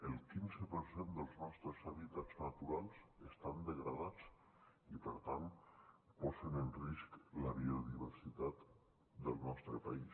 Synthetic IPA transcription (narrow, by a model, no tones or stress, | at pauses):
əlˠkinzəpəɾsend̪əlˠznɔst̪ɾəzaβit̪ad͡znat̪uɾalˠsəst̪and̪əɣɾəðat͡s | ipəɾt̪anpɔzənənriskləβioðiβəɾsit̪at̪ | d̪əlˠnɔst̪ɾəpais